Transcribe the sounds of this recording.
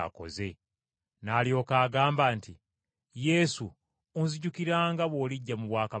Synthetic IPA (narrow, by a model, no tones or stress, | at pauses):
ko̞̰ze̞ | naːlijo̞ːkaːɡaːmbaːnti | je̞ːsu | onziɟukiɾaːŋɡaβwoːliɟːamuβwaːka